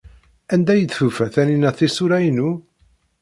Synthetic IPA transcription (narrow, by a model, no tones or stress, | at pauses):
ænd̪æjəd̪θufæθæninæθisuɾæjnu